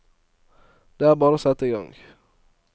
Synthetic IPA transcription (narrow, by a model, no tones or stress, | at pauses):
d̪̥eːæːɾbɑːɾəosɛt̪ːɪɡɔ̰ŋ